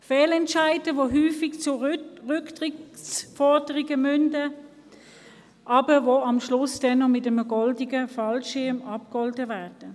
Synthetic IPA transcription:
fɛːlɛntʃaɪdəʋoɦyːfiɡt͡sʊʁʏktʁɪsfɔʁdəʁiɡəmʏndə | ʔɑbəvoɑmʃlʊsd̥ɛnːɔmɪtəməɡɔldiɡəfɑlʃɪɐmɑp̚kɔldəvæːʁd̥ə

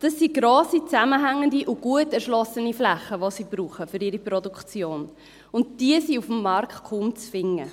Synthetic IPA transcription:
d̥ɑsːiɡɾoːsit͡sæməɦæŋːəndiʔʊɡ̥uətɛɾʃlɔsəniflæχːəʋosib̥ɾuːχəfʏɾɪɾipɾɔdukt͡sjoːn | ʊnt̚d̥iəsiufm̩ːɑɾktkʰumt͡sfɪŋːə

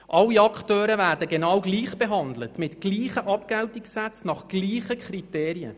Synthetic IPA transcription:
ʔɑlːiɑkχtøːɾəvæːɾdəɡenɑwɡliːχb̥eɦɑnd̪lətmɪtɡ̥liːχəʔɑpkɛltikssæt͡snɑχɡ̥liːχəkʰχriteːɾiə̰

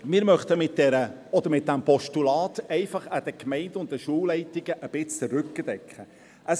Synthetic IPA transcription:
mɪːɾmœχtəmɪt̚d̥ɛɾəɔd̪əɾmɪt̚d̥æmpɔʃtulɑːtɛɪfɑχəd̥̪əkmɛɪndʊnt̚dəʃuːllɛɪtiɡ̥əʔəb̥ɪt͡st͡səɾʉkːəd̥ɛkχə | əs

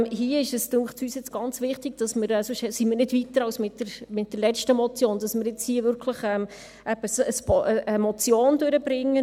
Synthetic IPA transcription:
ɦiəɪʃəsdʊχt͡syːsjɪt͡sɡ̥ɑnt͡sʋɪχtɪɡ̥d̥ɑsməɾɛsʊʃsimɪːɾnɪdvitəɾɑwsmɪtdəɾmɪt̚d̥əɾlɛt͡ʃtəmɔt͡sjoːnd̥ɑsmɪɾjɪt͡shiːəvʏɾkʰləχɛm | ɛbəsəspəəmɔt͡sjoːndøɾəb̥ɾɪŋːə

